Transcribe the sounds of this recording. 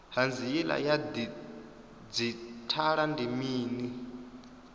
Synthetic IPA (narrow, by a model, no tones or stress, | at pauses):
hand͡zijɛla̰jadi | d͡zitʰaɺandimiːni